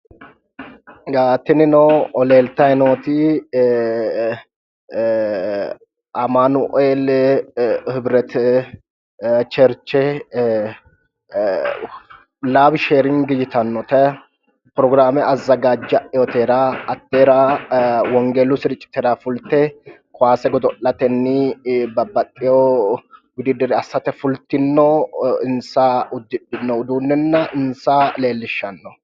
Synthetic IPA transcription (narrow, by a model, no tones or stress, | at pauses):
ɡaːt̪ːɪnɪnɔɔle̞ːlt̪ɐɛnoːt̪ɪ | ɐmanʊʔɔel | hɪbɾɛt̪ | t͡ʃɛɾt͡ʃːɛ | laːbʃeɾɪŋɡɪd͡ʒɪt̪ɐnːɔt̪ɛ | pɾɔɡɾaːmɛʔɐzːɐɡaːd͡ʒːɐʔɛjɔt̪eːɾaːɐt̪ːeːɾaːwɔŋɡɛlʊsɪɾɪt͡ʃʼːɪ̥t̪ɛɾaːfʊlt̪ɛ | kʰʊaːsɛɡɔd̪ɔʔlɐt̪ɛnːɪbɐbːɐt̪ʼːɪjowʊd̪ɪd̪ɪɾɛɐsːɐt̪ɛfʊlt̪ɪnːɔɪnsaʊd̪ɪᶑɪnːɔʊd̪uːnːɛnːɐɪnsale̞ːlːɪʃːɐnːɔ